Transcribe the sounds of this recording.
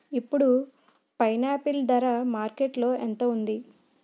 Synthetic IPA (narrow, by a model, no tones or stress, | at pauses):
ipːuɽu | pɐjnaːpild̪ɐɾamaːɾkeʈlo̞ːent̪ɐund̪i